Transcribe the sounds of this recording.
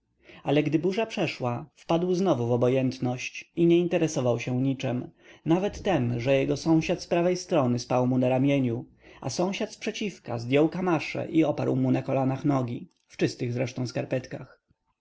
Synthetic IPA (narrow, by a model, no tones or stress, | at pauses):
alɛɡd̪ɘbuʐapʂɛʂwafpad̪wznɔvuvɔbɔjɛnt̪nɔɕt͡ɕiɲɛint̪ɛɾɛsɔvawɕɛ̃ɲit͡ʂɛmnavɛt̪ːɛmʐɛjɛɡɔsɔ̃w̃ɕat̪spɾavɛjst̪ɾɔnɘspawmunaɾamʲjeɲu | a̰sɔ̃w̃ɕat̪spʂɛt͡ɕifka̰zd̪ʲjɔwkamaʂɛ̰ʔiɔpaɾwmunakɔlanaxnɔɡʲi | ft͡ʂɘst̪ɘɣzɾɛʂt̪ɔ̃w̃skaɾpɛt̪kax